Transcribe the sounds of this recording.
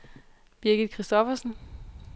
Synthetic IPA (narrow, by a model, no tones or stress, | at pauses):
b̥iɐɡ̥id̥̚ˠkʰʁisd̥ɒfɐsn̩